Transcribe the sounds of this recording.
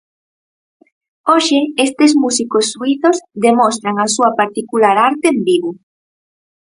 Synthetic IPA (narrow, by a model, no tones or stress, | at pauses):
oʃeest̪ezmusikosːuiθozðemost̪ɾaŋasuɐpaɾt̪ikulaɾaɾt̪eːmbiβo